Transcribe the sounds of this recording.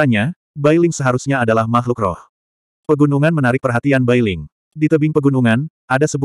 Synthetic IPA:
aɲa | bajlɪŋsəɦaɾusɲaːdalahmaɦlukrɔ̰h | pəɡunuŋanmənaɾɪk̚pərɦat̪ianbajlɪŋ | dit̪əbɪŋpəɡunuŋan | ʔadasəbu

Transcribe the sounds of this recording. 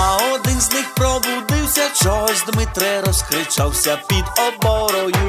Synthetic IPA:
ɐɔd̪ɪnznɪxpɾɔbud̪ɪwsʲɐt͡ʃɔɦɔzʲd̪mɪt̪ɾɛɾɔskɾɪt͡ʃawsʲɐpʲid̪ɔbɔɾɔju

